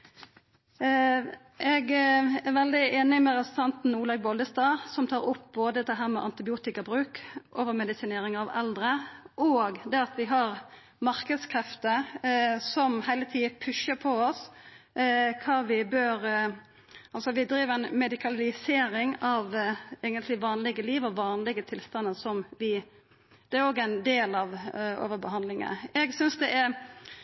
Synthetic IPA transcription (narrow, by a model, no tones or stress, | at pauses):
ʔɛɡæʁʋɛld̪ɪeːnɪmɛɾɛssɑnt̪n̩uːlɑɡbɔld̪əst̪ɑːsɔmt̪ʰɑːɾʊp̚boːd̪əd̪ɛɦæːɾmɛ̰ʔɑnt̪ɪbɪuːt̪ɪkɑbʁʉːkʔoːʋəɾmɛd̪ɪsɪneːɾɪŋɑʋɛld̪ɾəʔoɡd̪ɛɑt̪ʋɪɦɑɾ | mɑɾkəd̪skʰɾɛft̪ə | sɔmhæɪlət̪ʰiːəpʰʉʃəpʰɔɔs | kʰɑːʋɪbøːɾ | ɑlsɔʋɪd̪ɾiːʋæɪnmɛd̪ɪkʰɑlɪseːɾɪŋɑʋɛɡənt̪lɪʋɑːnlɪɡəliːʋɔʋɑːnlɪɡət̪ʰɪlst̪ɑnːəsɔmʋɪ | d̪̥ɛæɾoːɡæɪnd̪eːlɑʋo̰ːʋəɾbəɦɑnd̪lɪŋə̰ɛɡsʏnsd̪ɛʔæɾ